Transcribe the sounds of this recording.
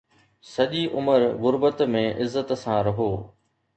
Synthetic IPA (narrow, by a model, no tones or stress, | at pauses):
sɐʄiʔʊməɾɣʊɾbət̪mẽʔɪzːət̪sãːɾɐɦoː